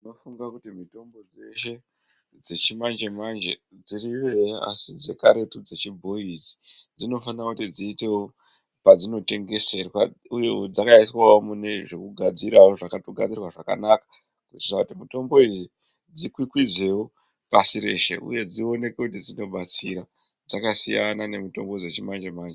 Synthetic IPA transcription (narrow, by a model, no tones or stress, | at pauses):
ino̞fuŋɡakutimito̞mbo̞d͡ze̞ʃe̞ | d͡ze̞t͡ʃimand͡ʒe̞mand͡ʒḛd͡ziriʋe̞a̰sid͡ze̞kaɾe̞tud͡ze̞t͡ʃibʱo̞isi̥d͡zino̞fanakutid͡ziːte̞wo | pad͡zino̞te̞ŋɡe̞se̞rwa̰ | ujed͡zakaiswawomune̞ʐe̞kuɡʱad͡ziɾawoʐakatoɡʱad͡zirwaʐaka̰naːkḁ | kuti̥iakutimuto̞mbo̞izi | d͡zikwikwid͡ze̞wo | pasiɾe̞ʃḛʔṵje̞d͡zio̞ne̞kwekutid͡zino̞ɓat͡siɾa | d͡zakasijanane̞mito̞̰mbo̞d͡zet͡ʃimand͡ʒemaːnd͡ʒe